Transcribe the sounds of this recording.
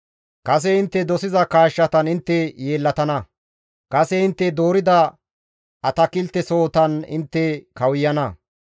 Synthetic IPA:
kɐs̬ɛɪnt̪ːɛd̪ɔsɪzɐkaːʃːɐt̪ɐnɪnt̪ːɛje̞ːlːɐt̪ɐnɐ | kɐsɛɪnt̪ːɛd̪o̞ːɾɪd̪ɐ | ʔɐt̪ɐkɪlt̪ːɛso̞ːt̪ɐnɪ̰nt̪ːɛkɐwjːɐnɐ

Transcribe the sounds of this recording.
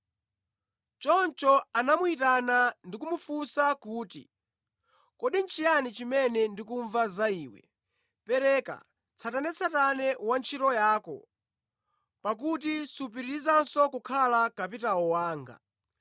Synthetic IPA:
t͡ʃɔnt͡ʃɔanamuitanandikumufusakuːtḭ | kɔɗint͡ʃʰijanit͡ʃimɛnɛndikuɱvazaiːwɛ̰ | pɛɾɛka̰ | t͡sʰatanɛt͡sʰatanɛwant͡ʃʰitɔjaːkɔ̰ | pak̬ut̬isupiɾiɾizansɔkukʰalakapitaɔwaːŋɡa̰

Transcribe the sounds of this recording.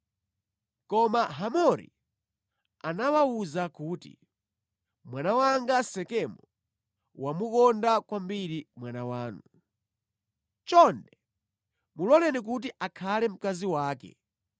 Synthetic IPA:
kɔmaɦamɔɾḭ | anawauzakuːtḭ | mwanawaŋɡasɛkɛmɔ | wamukɔndakwambiɾimwanawaːnu | t͡ʃɔndɛ | mulɔlɛnik̬ut̬iʔakʰalɛm̩kaziwaːkɛ̰

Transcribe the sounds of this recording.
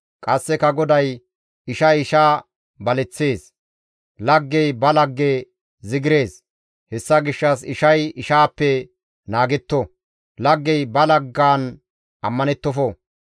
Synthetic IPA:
kʼɐsːɛkɐɡɔd̪ɐj | ɪʃɐjɪʃaː | bɐlɛt͡sːeːs | lɐɡːɛjbɐlɐɡːe | zɪɡɪɾe̞ːs | hɛsːɐɡɪʃːɐsɪʃɐjɪʃaːpːɛ | naːɡɛt̪ːɔ | lɐɡːɛjbɐlɐɡːaːn | ʔɐmːɐnɛt̪ːɔfɔ

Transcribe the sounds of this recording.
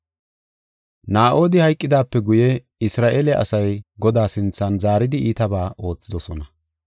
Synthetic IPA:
naːʔo̞ːd̪ɪhɐjkʼːɪd̪aːpːɛɡʊjɛ | ɪsɾaːʔeːlɛʔɐ̰sɐjɡɔd̪aːsɪnt͡sːɐnzaːɾɪd̪ɪiːt̪ɐbaːʔo̞ːt͡sːɪd̪ɔsɔnɐ

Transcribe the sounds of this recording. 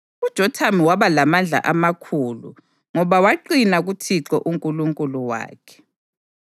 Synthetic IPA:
ud̥ʒ̥ʱɔtʰamiwaβalamand͡ɮʱa̰ʔamakʰuːlṵ | ŋɔβawaǃinaɣutʰiǁɔ̰ʔuŋkʼuluŋkʼuluwa̰ːkʰɛ̥

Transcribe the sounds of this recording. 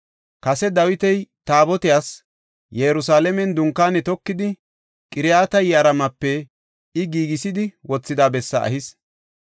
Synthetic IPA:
kɐsɛd̪ɐwɪt̪ɛjt̪aːbɔt̪ɪjaːs | jɛɾʊsaːlɛmɛnd̪ʊŋkːaːnɛt̪ɔkːɪd̪ɪ | kʼɪɾɪjaːt̪ɐjɐɾɐmɐpːɛ | ɪɡiːɡɪsɪd̪ɪwɔt͡sːɪd̪aːbɛsːɐ̰ʔɐ̰hɪs

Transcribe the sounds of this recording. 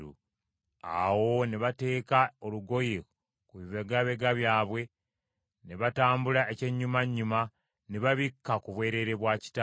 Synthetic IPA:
ṵ | a̰wo̞neβate̞ːkaoluɡo̞je | kuβiβeɡaβe̞ɡaβjaːβwe̞ | neβataːmbulaece̞ɲːumaɲːuma | neβaβikːakuβwe̞ːɾe̞ɾe̞βwaːci̥ta

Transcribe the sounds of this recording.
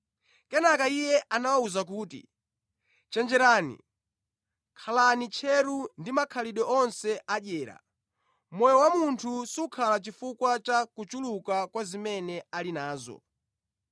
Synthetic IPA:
kɛnakaijjɛʔanawauzak̬uːtḭ | t͡ʃɛnd͡ʒɛɾaːnḭ | kʰalanit͡ʃʰɛɾundimakʰaliɗɔɔnsɛʔaɗɛːɾa̰ | mɔjɔwamuntʰusukʰalat͡ʃifukwat͡ʃakut͡ʃulukakwazimɛnɛalinaːzɔ̰

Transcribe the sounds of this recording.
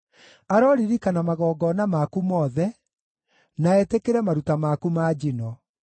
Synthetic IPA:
aɾɔɾiɾikanamaɣɔːɡɔnamakumɔðɛ | naɛtekeɾɛmaɾutamakumaːd͡ʑinɔ

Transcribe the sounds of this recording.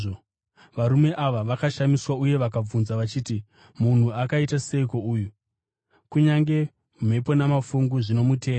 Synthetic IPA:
o | ʋaɾume̞ʔaʋaʋakaʃamiswauje̞ʋakab͡vunzaʋat͡ʃiːti | mun̤uakaitaseiko̞uːju | kuɲaŋɡe̞ | um̤e̞po̞namafuŋɡuʐino̞mute̞ːo

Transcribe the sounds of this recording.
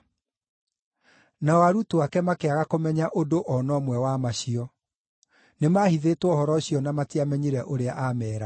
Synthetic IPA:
naɔwaɾutuakɛmakeaɣakomɛɲaʔodoʔɔnɔmwɛwamaɕiɔ | nemaːhiðetwɔhɔɾɔɕiɔnamatiamɛɲiɾɛʔoɾeaʔamɛːɾa

